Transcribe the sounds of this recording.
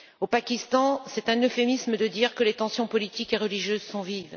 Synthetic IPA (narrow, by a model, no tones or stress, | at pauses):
opakʲist̪ɑ̃sɛt̪ɛ̃nøfemisməd̪əd̪iʁkəlet̪ɑ̃sjɔ̃pɔlit̪ikeʁəliʒjøzsɔ̃viv